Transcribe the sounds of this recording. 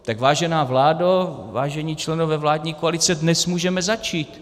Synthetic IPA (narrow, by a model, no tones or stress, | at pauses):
t̪aɡvaːʒɛnaːvlaːdavaːʒɛɲiːt͡ʃlɛnovɛːvlaːdɲiːkoalɪt͡sɛdnɛsmuːʒɛmɛzat͡ʃiːt̪